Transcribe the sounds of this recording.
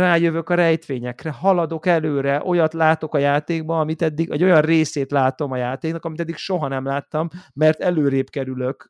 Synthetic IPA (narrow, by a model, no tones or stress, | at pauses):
raːjøvøkɒɾɛjt̪ʋeːɲɛkrɛɦɒlɒd̪o̞kɛløːɾɛʔo̞jɒt̪laːt̪o̞kɒjaːt̪eːɡ̚bɒɒmit̪ɛd̪ːiɡɛ̰ɟo̞jɒnreːseːt̪laːt̪o̞mɒjaːt̪eːknɒkɒmit̪ɛd̪ːikʃo̞ɦɒnɛmlaːt̪ːɒmːɛrt̪ɛløːɾeːpkɛɾylø̞k